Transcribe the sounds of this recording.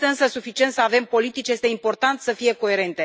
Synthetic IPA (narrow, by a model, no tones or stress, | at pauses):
t̪eɨnsəsufit͡ʃie̞nt̪səave̞mpo̞lit̪it͡ʃʲjest̪e̞impo̞rt̪ant̪səfije̞ko̞e̞ɾe̞nt̪e̞